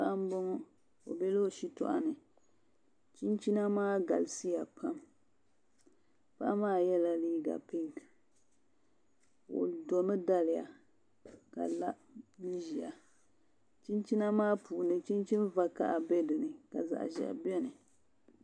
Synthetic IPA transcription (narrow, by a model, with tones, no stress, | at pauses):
a˦ʔa˦m˦bɔ˦ŋɔ˦ | o̰˨bɛ˦lo˦˨ʃi˦tɔ̰˦ʔa̰˨nɨ˨ | t͡ʃi˦nt͡ʃi˦na˦maː˦ɡa̰˨lsi˦ja˨pʰa˦m | pa˦ʔa˦maː˦˨jɛ˦la˨liː˦ɡa̰˨pi˦ŋ˨ | o̰˨do˨mɨ˦da˦lɪ˨ja̰˨ | ka̰˨la˦ | ni˦ʒi˨a˨ | t͡ʃi˦nt͡ʃi˦na˦maː˦puː˨nɨ˨t͡ʃi˦nt͡ʃi˦n˦va˦ka̰˦˨ʔa˨bɛ˦dɨ˨nɨ˨ka̰˨za̰˨ʔʒɛ̰˨ʔbɛ˦nɨ˨